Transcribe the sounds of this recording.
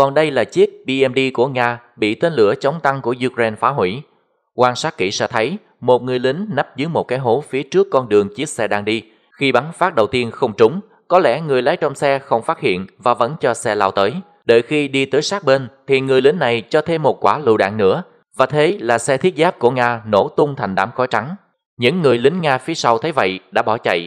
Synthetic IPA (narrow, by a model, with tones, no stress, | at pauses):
kɔ˨˩nɗə˧jlaː˨˩t͡ɕi˦˥ət̚ɓi˧ʔɛ˧mɗi˧ku˧˩əŋaː˧ | ɓḭ˧˨t̪e˨˧nlɨ̰˧˩ət͡ɕə˨˦wŋ͡mt̪a˧ŋku˧˩əʔu˧kɾe˧nfaː˨˦ɦwḭ˧˩ | kwaː˧nsaː˦˥t̚kḭ˧˩sɛ̰˧˥t̪ʰə˨˦j | mo˨˩t̚ŋɨ˨˩əjlï˨˦ŋ̟na˦˥p̚zɨ˨˦jmo˨˩t̚kaː˨˦jɦo˨˦fi˨˦ət͡ɕɨ˦˥əkːɔ˧nɗɨ˨˩əŋt͡ɕi˦˥ət̚sɛ˧ɗaː˧ŋɗi˧ | xi˧ɓa˨˦nfaː˦˥t̚ɗə˨˩wt̪i˧ənxə˧wŋ͡mt͡ɕʊ˨˦ŋ͡m | kɔ˨˦lɛ̰˧˩ŋɨ˨˩əjlaː˨˦jt͡ɕɔ˧wŋ͡msɛ˧xə˧wŋ͡mfaː˦˥t̚hḭ˧˨ənvaː˨˩və̰˧˥nt͡ɕɔ˧sɛ˧laː˧wt̪əː˨˦j | ɗə̰ː˧˨jxi˧ɗi˧t̪əː˨˦jsaː˦˥k̚ɓe˧nt̪ʰi˨˩ŋɨ˨˩əjlï˨˦ŋ̟na˨˩jt͡ɕɔ˧t̪ʰe˧mːo˨˩t̚kwaː˧˩lṵ˧˨ɗa̰ː˧˨ŋnɨ̰˧˥ə | vaː˨˩t̪ʰe˨˦laː˨˩sɛ˧t̪ʰi˦˥ət̚zaː˦˥p̚ku˧˩əŋaː˧no̰˧˩t̪ʊ˧ŋ͡mt̪ʰa˨˩ŋ̟ɗa̰ː˧˩mxɔ˨˦jt͡ɕa˨˦ŋ | ɲɨ̰˧˥ŋːɨ˨˩əjlï˨˦ŋ̟ŋaː˧fi˨˦əsa˧wt̪ʰə˨˦jvə̰˧˨jɗa̰ː˧˥ɓɔ˧˩t͡ɕə̰˧˨j